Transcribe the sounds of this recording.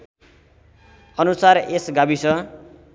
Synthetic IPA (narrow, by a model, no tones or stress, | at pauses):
ʌnusaresɡabisʌ